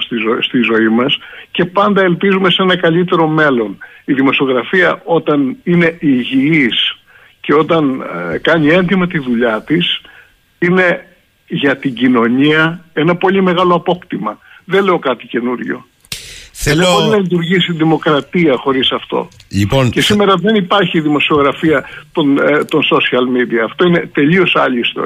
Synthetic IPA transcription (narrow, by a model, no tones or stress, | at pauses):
siost̪izo̞imɐsce̞pɐnd̪ɐe̞lpizume̞see̞nɐkɐʎit̪e̞ɾo̞me̞lo̞niðimo̞sio̞ɣɾɐfiɐʔo̞t̪ɐnine̞ʔiʝiis | ce̞o̞t̪ɐnkɐɲie̞nd̪imɐt̪iðuʎɐt̪is | ine̞ | ʝɐt̪iɟino̞ɲiɐe̞nɐpo̞lime̞ɣɐloɐpo̞kt̪imɐðenle̞o̞kɐt̪i̥ce̞nuɾʝo̞̰ | θeʎeboɾinɐlit̪̬uɾʝisiðimo̞kɾɐt̪iɐxo̞ɾisɐft̪o̞̰liponce̞sime̞ɾɐðe̞nipɐɾçiðimo̞sio̞ɣɾɐfiɐt̪ont̪o̞nso̞siɐlmid̪iɐːft̪o̞ine̞t̪e̞ʎio̞sɐ̰ʎist̪o̰